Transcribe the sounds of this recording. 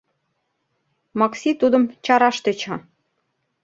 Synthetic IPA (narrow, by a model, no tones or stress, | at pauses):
mɑksʲit̪ud̪ə̆mt͡ɕɑɾɑʃt̪et͡ɕɑ